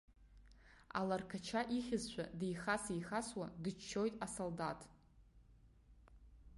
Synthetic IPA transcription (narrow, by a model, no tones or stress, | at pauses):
a̰larkʰat͡ʃʰaʔiχʲɪzʃʷʰa̰dejχasijχaswadɨt͡ʃt͡ʃʰːo̞jtʼasoldatʼ